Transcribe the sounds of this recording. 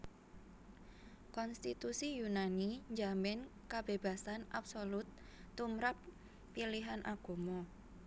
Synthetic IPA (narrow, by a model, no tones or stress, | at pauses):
kɔnst̪it̪usijunaniɲd͡ʒamɛnkab̥eb̥a̤sanʔapsolʊt̪ːumɾapː | iliɦanʔa̰ɡ̥o̤mɔ